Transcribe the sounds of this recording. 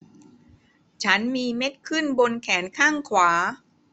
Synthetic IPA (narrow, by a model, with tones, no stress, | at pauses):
t͡ɕʰa˦˥nmiː˧me˦˥t̪̚kʰɯ˥˩nbo˧nkʰɛː˩˦nkʰaː˥˩ŋkʰwaː˩˦